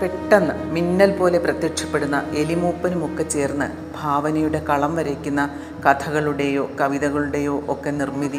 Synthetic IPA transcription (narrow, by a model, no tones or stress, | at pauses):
peʈːɐnːɨminːɐlpo̞ːle̞prɐt̪jɐkʂɐ̥pːe̞ɽunːɐʔe̞limuːpːɐnumokːet͡ɕːe̞ːrnːɨ̰ | bʱaːʋɐnɐjuɽe̞kɐɭɐmʋɐɾɐkʲːunːɐ | kɐt̪ʰɐɣɐɭuɽe̞jo̞ːkɐʋiðɐɣɐɭuɽe̞jo̞ːʔokːenirmiði